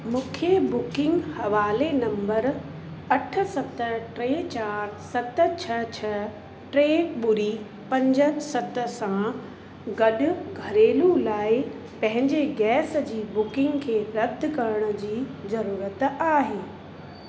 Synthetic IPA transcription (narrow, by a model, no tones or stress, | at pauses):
mũːkʰebʊkɪ̃ŋɡhɐʋaːlenɐ̃mbəɾ | ɐʈʰə̆sɐt̪əʈɾeːt͡ɕaːɾsɐt̪ə̆t͡ɕʰɐt͡ɕʰɐ | ʈɾeːkɓʊɾi | pɐ̃ɲd͡ʑəsɐt̪ə̆sã | ɡɐɗʊ̆ɡʱɐɾeːlulaːɪpɐ̃ɦɪ̃ɲd͡ʑeɡɛːsd͡ʑiːbʊkɪ̃ŋɡkʰeːɾɐb̚d̪ʱkɐɾəɽ̃ʊ̆d͡ʑiːzɐɾuːɾət̪aːɦeː